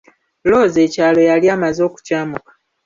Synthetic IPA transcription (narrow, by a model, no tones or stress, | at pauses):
lo̞ːze̞ːcaːlo̞jaliaːmazo̞ːku̥caːmukḁ